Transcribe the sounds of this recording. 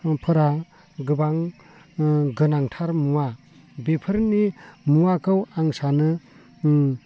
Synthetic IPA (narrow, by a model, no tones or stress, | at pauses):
pʰɯɾa | ɡɯbaŋ | ɡɯnaŋtʰaɾmuwa | bepʰɯɾnimuakʰɯwaŋsanɯ